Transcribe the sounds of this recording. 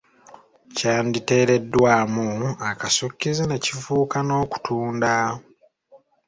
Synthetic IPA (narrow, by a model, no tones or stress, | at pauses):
caːndite̞ːɾe̞dːwaːmuakasukːizine̞cifuːkano̞ːku̥tʰuːnda